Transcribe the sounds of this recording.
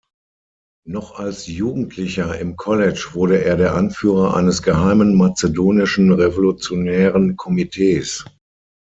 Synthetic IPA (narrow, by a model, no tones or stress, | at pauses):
nɔχalsjuːɡŋ̩tʰlɪçɐɪmkʰɔlɛt͡ʃv̥ʊɐɾəʔeːɐɾeːɐʔanfyːʁɐʔa̰ɪnəsɡ̥əɦaɪmənmat͡sedoːnɪʃn̩ʁevolut͡sjonɛːʁənkʰɔmitʰeːs